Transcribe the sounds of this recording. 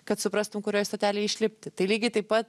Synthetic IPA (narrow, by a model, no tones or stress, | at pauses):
kɐt̪sʊpɾɑst̪ʊmkʊɾʲoːjst̪oːt̪ʲæːlʲeɪɪʃʲlʲɪpʲt̪ʲɪt̪ɐɪlʲiːɡʲɪt̪ɐɪpɐt̪